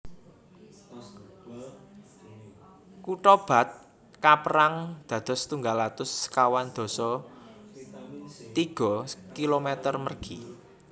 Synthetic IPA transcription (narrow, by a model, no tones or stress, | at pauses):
kuʈɔb̥a̤t̪̚ | kapəɾaŋd̪̥ä̤d̪̥ɔ̤st̪uŋɡalat̪ʊskawand̪̥ɔ̤sɔ | t̪iɡ̥ɔ̤kilomet̪ərmərɡ̥i